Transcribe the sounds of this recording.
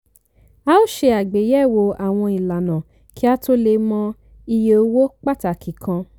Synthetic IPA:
a˦o˦ʃe˧a˨ɡ͡be˨˦jɛ˦˨wo˧a˨w̃ɔ̃˧i˨la˨nã˨ | ki˦a˦to˦le˧mɔ̃˧ | i˧je˧o˧˦wo˦k͡pa˦ta˨ki˨kʰã˧

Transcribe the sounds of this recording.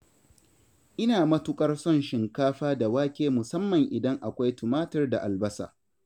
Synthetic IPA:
ʔɪ˦naː˨mɐ˦tʊ˦kʼɐ˦rsɔ˦˨nʃɪ˨ŋkaː˦ɸaː˦da˨waː˦kʲeː˦mʊ˨sɐ˦mːɐ˨ŋʔɪ˨dɐ˦ŋʔa˨kʷa˦jtʊ˨maː˦tɐ˦rda̰˨ʔa˨lbɐ˦sa̰ː˨

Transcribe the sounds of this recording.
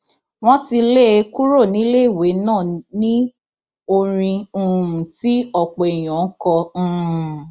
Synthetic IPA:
w̃ɔ̃˦ti˧le˦˧˦ku˦ɾo˦˨nĩ˨˦le˦i˦˨we˨˦nãː˦˨nĩ˦ | o˧ɾ̃ĩ˧˦˨ti˦ɔ˦˨k͡pɔ˨e˨j̃ɔ̃˨˦kɔ̃˧˦˧

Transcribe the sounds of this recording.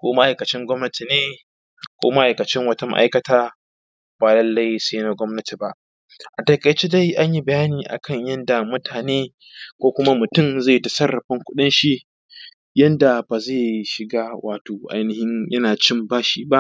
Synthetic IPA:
kʷoː˦ma˦ʔa˨jkɐ˨t͡ʃɪ˦ŋɡʷɔ˦mnɐ˦tʰi˨neː˦ | kʷoː˦ma˦ʔa˨jkɐ˨t͡ʃɪ˦ŋwɐ˦tɐ˨˦ma̰˦ʔa̰˦jkɐ˨taː˦ | baː˨lɐ˦lːa˦jseː˦na˦ɡʷɔ˦mnɐ˦tʰi˨ba˨ʔ | ʔa˨tɐ˨kʼɐ˨t͡ʃe˦da˦jʔa˦ɲji˦bɐ˨jaː˦niː˨ʔa̰˨kʰɐ˦˨ɲjɐ˦nda˨mʊ˦tʰaː˨neː˦ | kʷoː˦kʷʊ˦ma˦mʊ˨tʊ˦˨mza˦˨tɐ˨sɐ˦rːɐ˨ɸɪ˦ŋkʷʊ˦ɗɪ˦nʃi˦ʔ | jɐ˦nda˨baː˨za˦˨ʃɪ˨ɡaː˦wʔa̰ː˨toː˨ʔa̰˨jnɪ˨hɪ˦ɲjɐ˦naː˨t͡ʃɪ˦˨mbaː˦ʃiː˨ba˦ʔ

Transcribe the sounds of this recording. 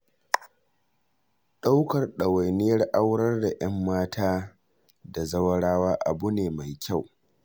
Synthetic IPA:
ɗa˦wkɐ˨rɗɐ˨wa˨jnɪ˦jɐ˦rʔa˦wɽɐ˦rda˨ʔɐ˦mːaː˦tʰaː˦ | da˨zɐ˦wɐ˦ɽaː˦waː˦ʔa̰˨bu˦neː˨ma˨jkʲa˦˨w

